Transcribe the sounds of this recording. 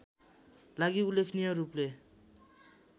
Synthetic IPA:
laɡiulekʰnijʌɾuple

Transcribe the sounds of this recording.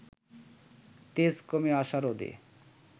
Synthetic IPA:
t̪eskomeaʃaɾod̪ḛ

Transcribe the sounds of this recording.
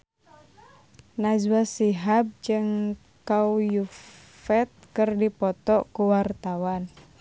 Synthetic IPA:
nazwasiɦab̚d͡ʒɨŋ | kauju | fɛt̪̚kɨrdipɔt̪ɔkuwart̪awan

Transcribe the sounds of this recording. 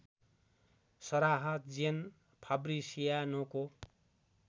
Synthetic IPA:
sʌɾaɦʌt̪d͡zen | pʰʌbɾisijanoko

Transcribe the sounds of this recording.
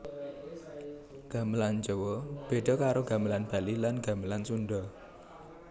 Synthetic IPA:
ɡ̥a̤məland͡ʒɔwɔb̥e̤ɖɔ̤kaɾoɡa̤məlanb̥a̤lilanɡa̤məlansunɖɔ

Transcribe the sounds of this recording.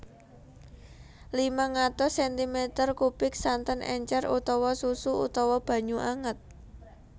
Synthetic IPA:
limaŋat̪ɔsɛnt̪imɛt̪ərkupɪk̚sant̪ənʔɛ̰ɲt͡ʃɛrut̪ɔwɔsusuut̪ɔwɔb̥a̤ɲuʔaŋət̪̚

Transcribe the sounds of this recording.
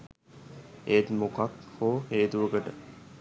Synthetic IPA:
eːt̪mokakhoːɦeːt̪uʋəkəʈə

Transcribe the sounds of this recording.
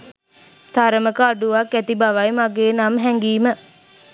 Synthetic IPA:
t̪aɾəməkəaɖuʋakːæt̪ibaʋajmaɡeːnamɦɛŋɡiːmə

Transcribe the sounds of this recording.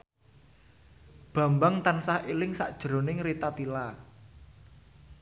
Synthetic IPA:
b̥ä̤mbaŋt̪ansahelɪŋsa̰ʔd̥ʒ̥ə̤ɾo̤nɪŋrit̪at̪ila

